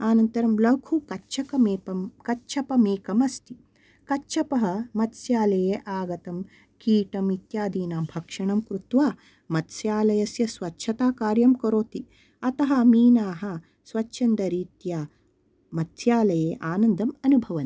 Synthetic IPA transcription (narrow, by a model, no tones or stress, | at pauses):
aːnɐnt̪ɐɾɐmlɐkʰukɐʃʰɐkɐmeːpɐmkɐtːʃʰɐpɐmeːkɐmɐst̪i | kɐtːʃʰɐpɐɦɐ̆mɐt̪sjaːlɐjeːʔaːɡɐt̪ɐm | kiːʈɐmit̪jaːd̪iːnaːmbʱɐkʂɐɳɐmkɾut̪ʋaː | mɐt̪sjaːlɐjɐsjɐsʋɐtːʃʰɐt̪aːkaːɾjɐmkɐɾoːt̪i | ɐt̪ɐɦɐmiːnaːɦɐ̆ | sʋɐt͡ʃːʃʰɐnd̪ɐɾiːt̪jaː | mɐt̪sjaːlɐjeːʔaːnɐnd̪ʱɐmɐnubʱɐʋɐn